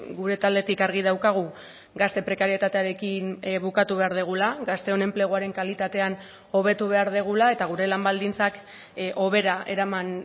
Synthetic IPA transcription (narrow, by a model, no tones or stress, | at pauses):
ɡuɾe̞t̪ald̪e̞t̪ikaɾɣ̞ið̞awkaɣ̞u | ɡast̪e̞pɾe̞kaɾie̞t̪at̪e̞aɾe̞kinβukat̪uβe̞aɾðeɣ̞ulaɣast̪e̞o̞ne̞mple̞ɣ̞oaɾe̞ŋkalit̪at̪e̞an | o̞β̞e̞t̪uβ̞e̞aɾð̞eɣ̞ulae̞t̪aɣ̞uɾe̞lambald̪int͡sak | ʔo̞β̞e̞ɾaʔe̞ɾaman